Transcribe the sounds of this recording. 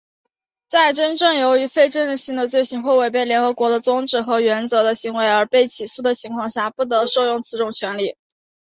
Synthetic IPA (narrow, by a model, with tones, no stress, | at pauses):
t͡sa˥˩ɪʈ͡ʂə˥nʈ͡ʂɤ˥˩ŋjo˧˥ʊy˧˥fe˥ɪʈ͡ʂə˥n˩ɕi˧˥˩ŋd̪ə˨t͡swe˥˩ɪɕi˧˥nxwɔ˥˩we˥˩ɪp̬e˥˩ɪljɛ˧˥nxɤ˧˥kwɔ˧˥d̪ə˧t͡sʊ˥ŋʈ͡ʂɻ̩˨˩xɤ˧˥ɥɛ˧˥nt͡sɤ˧˥d̪ə˧ɕi˧˥ŋwe˧˥ɪə˞˧˥pe˥˩ɪt͡ɕʰi˨˩su˥˩d̪ə˩t͡ɕʰi˧˥ŋkʰwɑ˥˧ŋɕja˥˩pu˥˩t̪̬ɤ˧˥ʂo˥˧ʊjʊ˥˩ŋt͡sʰɹ̩˧˥ʈ͡ʂʊ˥˩ŋt͡ɕʰɥɛ˧˥nli˥˩